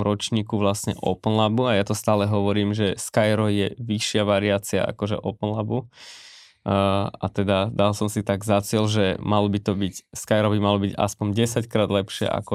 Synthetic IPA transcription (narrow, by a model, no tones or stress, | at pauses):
mɾɔt͡ʃɲiːkuʋlasɲɛ̰ʔɔ̰pnlabuajat̪ɔst̪aːlɛɦɔʋɔɾiːmʒɛskajɾɔjɛʋiʃɪaʋaɾiaːt͡sia̰ʔa̰kɔʒɛ̰ʔɔpn̩labu | a̰t̪ɛd̪ad̪alsɔmsit̪aɡzat͡sɪɛlʒɛmalɔbit̪ɔbicskajɾɔbimalɔbiɟa̰spɔɲɟɛsackɾaːd̪lɛpʃɪɛ̰ʔa̰kɔ